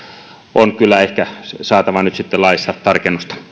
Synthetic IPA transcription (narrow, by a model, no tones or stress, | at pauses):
ʔonkylːˑæehkæsɑːt̪ɑʋɑnyt̪sit̪ːelɑˑist̪ɑːt̪t̪ɑrkenːust̪ɑ̥